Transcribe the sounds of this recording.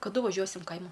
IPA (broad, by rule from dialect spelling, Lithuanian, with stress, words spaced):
kɐˈdʊ ʋɐˈʒʲuɔsʲɪm ˈkɐɪmɐ